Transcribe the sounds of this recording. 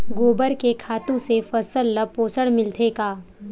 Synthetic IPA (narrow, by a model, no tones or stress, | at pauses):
ɡoːbəɾkekʰaːt̪ũsefɐsəlːəpoːsəɽmɪlt̪ʰekaː